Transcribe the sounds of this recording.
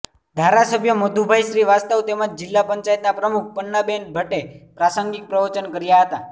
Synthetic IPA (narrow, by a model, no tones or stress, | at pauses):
d̪ʱaɾasəbʱjəmod̪ʱubʱajʃɾiʋast̪əʋt̪eməd͡ʒd͡ʒɪlːapəɲt͡ʃajət̪napɾəmuk̚ʰpəɳːəbenbʱəʈepɾasəŋɡik̚pɾəʋət͡ʃənkəɾjaɦət̪a